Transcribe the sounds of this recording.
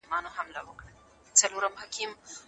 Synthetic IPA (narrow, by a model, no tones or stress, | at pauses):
maːnoɦɐmla̰ʋokɽɐ | t͡sɐluːɾɐmɦɐkim